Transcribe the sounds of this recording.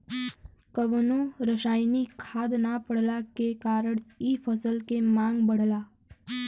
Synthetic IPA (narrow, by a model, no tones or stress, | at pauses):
kəʋnoɾəʃaːjnikʰaːd̪napəɽ̤lakekaːɾəɳiːpʰəsəlkemãːŋɡbəɽ̤laː